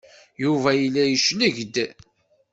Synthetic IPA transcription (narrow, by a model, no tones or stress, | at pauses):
juvæjəlːæjəʃnəʝd̪